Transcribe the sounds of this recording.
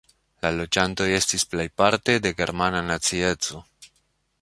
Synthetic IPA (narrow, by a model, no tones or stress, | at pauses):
lalo̞d͡ʒanto̞je̞stisplejpaɾte̞de̞ɡe̞̰ɾmananat͡sie̞t͡so̞